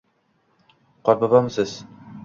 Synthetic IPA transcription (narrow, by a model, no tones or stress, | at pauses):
qʰɒɾbabamsɪz̥